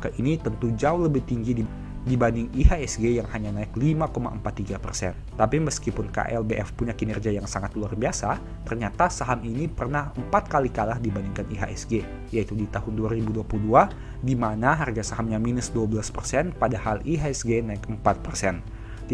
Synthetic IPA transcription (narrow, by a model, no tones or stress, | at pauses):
kaʔinit̪ənt̪ud͡ʒaʊhləbɪht̪iŋɡidi | dibandɪŋiɦaɛsɡejaŋhaɲanaɪklimakoma̰ʔəmpat̪ːiɡapərsɛ̰nt̪apiməskipʊnka̰ʔɛ̰lbeʔɛfpuɲakinɛrd͡ʒiajaŋsaŋat̪luarbiasa | t̪ərɲat̪asaɦaminipərnahəmpat̪̚kalikalahdibandiŋkaniɦa̰ʔɛsɡe | jait̪udit̪ahʊnduaɾibuduapuludua | dimanaɦarɡasaɦamɲaminəsduabəlaspərsɛnpadahaliɦaɛsɡenaɪkəmpat̪̚pərsɛn